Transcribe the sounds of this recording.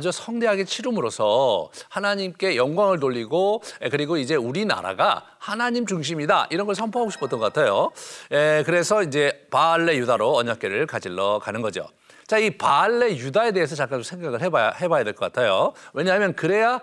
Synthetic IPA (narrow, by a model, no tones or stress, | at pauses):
d͡ʑosʰʌŋde̞ɦaɡe̞t͡ɕʰiɾumɯɾosʰʌhanaɲimk͈e̞jʌŋɡwaŋɯɭnoʎːiɡoekɯɾiɡoid͡ʑe̞uɾina̰ɾa̰ɡa | hanaɲimt͡ɕuŋɕ̬ʰimida̰ʔiɾʌnɡʌɭsʰʌmpʰoɦaɡoɕʰi̥p͈ʰot͈ʌnɡʌkatʰajoekɯɾe̞sʰʌid͡ʑe̞paɭːe̞judaɾoʌɲak͈e̞ɾɯɭkad͡ʑiɭːʌkanɯnɡʌd͡ʑio̰ | t͡ɕaipaɭːe̞judae̞de̞ɦes̬ʰʌt͡ɕak͈ant͡ɕomsʰŋɡaɡɯɭɦebahe̞bajade̞ɭkʌk͈atʰajowe̞ɲaɦamjʌnkɯɾe̞ja